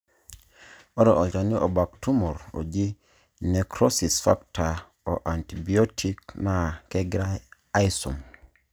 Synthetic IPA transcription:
ɔ˦ɾɔ˨ʔo˨d͡ʒa˨ni˦ʔo˨ba˨ktu˦mɔ˨ɾo̰˨d͡ʒi˦ | ne˨kɾɔ˦si˨sfa̰˦ktʰa˨ | o˨ʔa˨nti˨bi˨o˦tʰi˦kna˨ke˦ɡɾa˦ | a˦i˦sṵ˨m

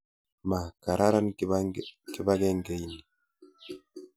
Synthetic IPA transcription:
ma˨ka˨ɾʔa˦ɾa˦n | ki˨ba˦ɡɛ˦ŋɡɛ˦ini˨

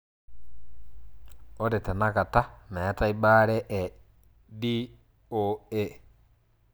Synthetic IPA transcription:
o˦ɾe˨tɛ˨na˦ka˨ta˦mɛ˨˦ta˦i˦ba˦ɾɛ˦ʔɛ˨ | di˦ | o˦e˦

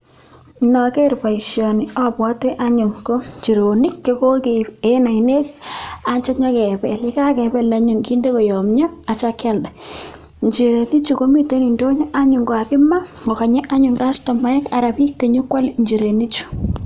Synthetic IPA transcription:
nɔ˨ke˦ɾpa˨i˨ʃjɔ˨ni˨ɔ˦pwɔ˦te˦ʔa˦ɲu˨ŋko˦t͡ʃi˨ɾo˨ni˦kːjɔ˦ko˦ke˨e˦na˨ine˦ka˦ɲt͡ʃɛ˦ɲɔ˦kɛ˨pɛ˨li˦ka˦kɛ˨bɛ˦la˦ɲu˨ŋki˦nde˦ko˨jo˨mɲɔ˦a˨t͡ʃa˦kɛ˦lda˨ | ɲd͡ʒi˨ɾe˨ni˦t͡ʃu˨ko˦mi˦to˦ni˨ndo˦ɲɔ˦ʔa˦ɲu˨ŋɡwa˨kɪ˦ma˦mo˨ka˨ɲɛ˦ʔa˦ɲu˨ŋɡa˦stɔ˨ma˦ɛ˦ka˨ɾa˨pi˦kːe˨ɲu˦kwa˦lɲd͡ʒi˨ɾe˨ni˦t͡ʃu̥˨

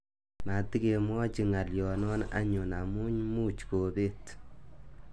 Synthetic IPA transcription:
ma˨ti˦ke˨mwɔ˦t͡ʃi˨ŋa˨ljɔ˨nɔ˦na̰˦ɲʊ˨na˨mu˦ɲmu˦t͡ʃko˨be˦t

